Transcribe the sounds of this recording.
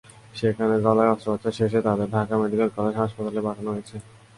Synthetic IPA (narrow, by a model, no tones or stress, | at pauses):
ʃekʰaned͡ʑɔlaeɔst̪obot̪ɕaʃeʃet̪ad̪eɾɖʱakameɖikelkɔled͡ʑɦaʃpat̪alebaʈʰanoɦojet͡ɕʰe